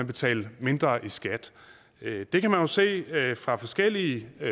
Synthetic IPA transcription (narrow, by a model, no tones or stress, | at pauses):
ænb̥e̝t͡sʰɛ̰ːlme̝nd̥ʁɐʔisɡ̥æd̥ | d̥e̝kʰæmænjo̝se̝̰ːfʁɑ̈fɒ̽sɡ̥el̰iə